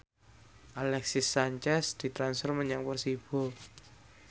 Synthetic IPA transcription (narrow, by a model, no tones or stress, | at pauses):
ʔalɛksɪsːaɲt͡ʃɛsd̪̥i̤t̪ɾansfərməɲaŋpərsib̥o